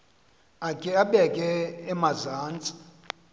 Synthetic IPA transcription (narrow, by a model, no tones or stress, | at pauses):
akʼɛaɓɛkʼɛːmazaːnt͡sʼi̥